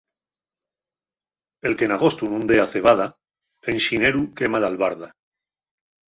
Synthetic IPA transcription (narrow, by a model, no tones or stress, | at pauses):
e̞lke̞naɣ̞o̞st̪unũnd̪eaθe̞β̞að̞a | enʃineɾukemalalβaɾða